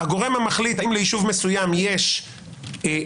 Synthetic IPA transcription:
aɡo̞ʁe̞mhamaχlit̪aimleiʃuvmesujamjeʃ

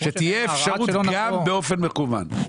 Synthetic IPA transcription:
ʃet̪ijeːfʃaʁut̪ɡambeo̞fe̞nmekuva̰n

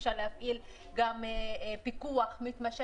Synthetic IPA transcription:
ʃalehafʔil | ɡampikuaχmit̪maʃe

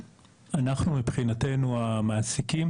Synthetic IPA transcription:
anaχnumipχinate̞nuamaːsikim

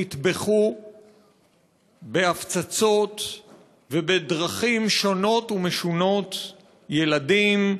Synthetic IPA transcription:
it̪beχu | beaft͡sat͡so̞t̪ | vebedʁaχimʃo̞no̞t̪umeʃuno̞t̪ | je̞ladim

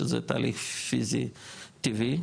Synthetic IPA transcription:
əzḛt̪a̰lifizit̪ivi

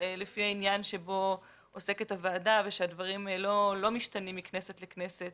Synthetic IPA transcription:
lefiainjanʃebo̞ | ose̞ketavaːdaveʃeadvaʁimlo̞lo̞miʃtanimːiknesetlekne̞set̚

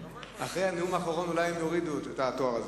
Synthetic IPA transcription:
aχʁejhaneumaːχoʁo̞nulajemjoʁid̪uetet̪at̪o̞aʁaze

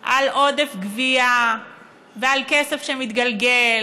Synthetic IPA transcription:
ʔalʔo̞d̪efɡvia | vealkesefʃemit̪ɡalɡel

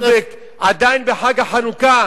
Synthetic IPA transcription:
bek | ʔad̪ajnbeħaɡaħanuka

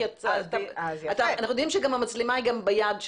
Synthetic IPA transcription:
at̪aat̪aanaχnujdimʃeɡamamat͡slemaiɡambejad̪ʃ

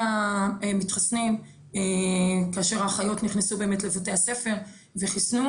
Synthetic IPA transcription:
aemitχasnim | ekaːʃe̞ʁhaχajo̞tniχnesube̞emetle̞vote̞ase̞fe̞ʁ | veχisnu

